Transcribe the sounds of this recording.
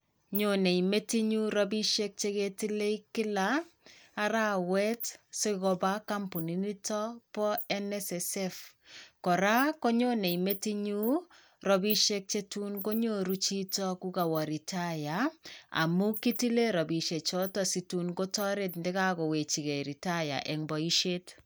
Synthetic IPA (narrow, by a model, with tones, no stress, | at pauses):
ɲo˨ne˨ime˦ti˦ɲu˦ɾɔ˦bi˦ʃe˦k̚t͡ʃe˦ke˦ti˦le˦ikɪ˦laː˦ | ɾa˦wɛ˦tse˦kɔ˦ba˦ka˦mpu˨ni˦ni˦tɔ˦pɔ˦ɛ˦nɛsɛsɛ˦f | kɔ˨ɾa˦ko˦ɲo˦ne˨ime˦ti˦ɲu˦ | rɔ˨bi˦ʃe˦k̚t͡ʃe˦tu˦nko˦ɲo˦ɾu˦t͡ʃi˦tɔ˦ku˦ka˨wɔ˨ɾi˨ta˦ja˨a̰˨mu˦ki˦ti˦le˦ɾɔ˨bi˨ʃe˨t͡ʃɔ˦tɔ˨si˨tu˦nko˦tɔ˦ɾe˦tndɪ˦ka˦ɡɔ˨we˨t͡ʃi˨ɡe˨ɾi˨ta˦ja̰˨ʔɛ˨ŋbɔ˨i˦ʃe˦t